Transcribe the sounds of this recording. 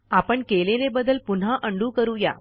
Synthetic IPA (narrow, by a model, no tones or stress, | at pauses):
apəɳkelelebəd̪ːəlpun̤aʔəɳɖũːkəɾuːja̰